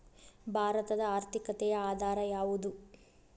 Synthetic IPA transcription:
bʱaːɾɐt̪ɐd̪ɐaːɾt̪ʰikɐt̪ɛjɐaːd̪ʱaːɾɐjaːʋud̪u

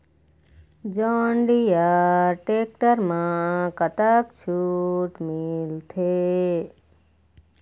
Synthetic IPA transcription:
d͡ʒɔɳɖijaɾʈek̚ʈəɾmãkət̪əkt͡ʃʰuʈmɪlt̪ʰe

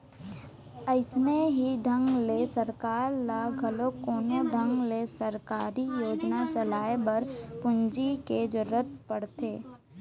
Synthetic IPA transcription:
əɪsneɦiɖʱə̃ŋɡlesəɾkaːɾlaɡʱəlokoːnoɖʱə̃ŋɡlesəɾkaːɾijoːd͡ʒnat͡ʃəlaːebɐɾpʊɲd͡ʒiked͡ʒʊɾət̪̚pəɽt̪eː

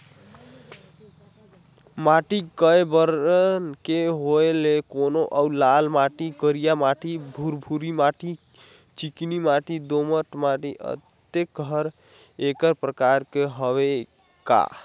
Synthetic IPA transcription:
maʈikəebəɾənkeɦoelekonoʔaulalmaʈikəɾijamaʈibʱuɾbʱuɾimaʈi | t͡ʃiknimaʈid̪oməʈmaʈiʔə̰t̪ | ek̚ɡʱəɾ | ekəɾpɾəkaɾkeɦəβe | ka̰

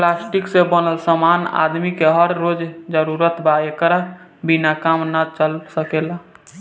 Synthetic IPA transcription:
plasʈiksẽbənəlsəmana̰d̪mikeɦəɾːod͡ʒd͡ʒəɾuɾət̪baekəɾa | binakamnat͡ʃəlsəkela

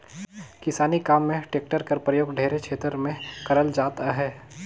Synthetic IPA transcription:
kɪsaːnikaːmːẽʈeːk̚ʈəɾkɐɾpɾəjoːɡɖʱeːɾekʃʰeːt̪əɾmẽkɐɾəld͡ʒaːt̪aɦɛː

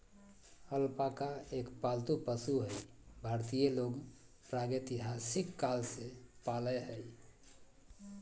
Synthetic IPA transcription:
əlpakaekpalt̪upəsuɦəjbʱaɾt̪ijeloɡ | pɾaɡet̪iɦasikːalsepaləɦəj

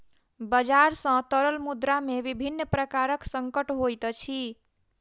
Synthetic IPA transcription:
bəd͡ʒaɾsə̃t̪əɾəlmud̪ɾamebibʱinːəpɾəkaɾəksəŋkəʈɦojt̪t͡ʃʰi

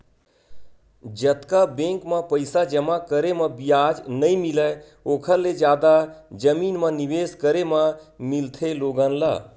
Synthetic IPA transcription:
d͡ʒət̪kabẽŋkməpəɪsad͡ʒəmakəɾeməbijad͡ʒnəimilə | oːkʰəɾled͡ʒjaːd̪ad͡ʒəmiːnmə̃niʋeskəɾeməmilt̪ʰeloːɡənlə̰

